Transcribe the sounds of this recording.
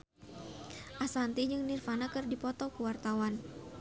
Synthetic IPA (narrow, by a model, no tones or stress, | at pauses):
ʔasant̪id͡ʒɨŋnirfanakɨrdipɔt̪ɔkuwart̪awan